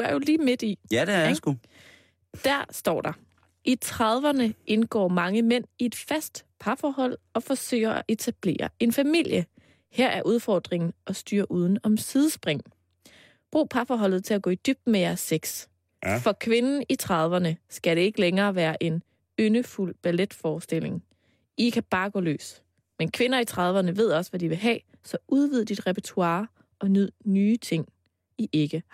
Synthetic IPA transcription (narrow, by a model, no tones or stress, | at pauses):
æɐjo̝liːme̝d̥isu | d̥æɐ̰sd̥ɒ̰ːɾ̥ɑ̈ | ʔit͡sʰʁɑðˠʋɐnəʔe̝nɡ̥ɒ̰ːmɑ̈ŋəmen̰ie̝d̥fæsd̥pʰɑ̈fɒːhɒ̽l̰ɒ̽fɒ̽sø̰ːɪɐæʔe̝t͡sʰæb̥le̝̰ːɐe̝nfæmil̰jə | heɐʔæɐʔuðˠfɒːd̥ʁeŋn̩ɒ̽sd̥yːɐ̰ʔuð̞ˠn̩ɒ̽msið̞ˠəsb̥ʁeŋ̰ | b̥ʁṵːpʰɑ̈fɒːɦɒ̽l̰ð̩ˠt͡sʰe̝læɡ̥ɔ̰ːid̥yb̥̚d̥mejæɐsːeɡ̥s | fɒ̽kʰʋe̝nn̩it͡sʰʁɑðˠʋɐnəsɡ̥æɾ̥e̝e̝ɡ̥əleŋɐːʋæːɐʔe̝n | ønəful̰b̥æled̥fɒːsd̥e̝l̰e̝ŋ | ikʰæb̥ɑ̈ːɡ̥ɔ̰̽ːlø̰ːs | menkʰʋe̝nɐit͡sʰʁɑ̈ð̞ˠʋɐnəʋe̝ð̞̰ˠɒ̽sʋædiʋe̝ɦɛ̰ː | sɒ̽ʔuð̞ˠʋið̞̰ˠd̥id̥ʁɛpʰet͡sʰuɑ̈ː | ʔɒ̽nyð̰ˠnyːt͡sʰe̝ŋ̰ | iʔe̝ɡ̥ə